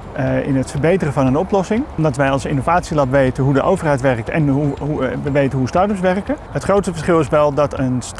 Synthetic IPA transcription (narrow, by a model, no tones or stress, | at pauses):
ɪ̰nətfəɹbejtərəvɑnənɔplɔsɪŋmdɑtʋɛjɑlˠsɪnowvaːtsilɔpʋejtənɦudəʔowvərɦɛjtʋɛrk̚tɛ̰nɦuɦuʋəʋejtənɦustɑɹtəpsʋɛrkəɦətχrowtsəfəɹsχɪlˠɪsʋɛlˠdɑtəns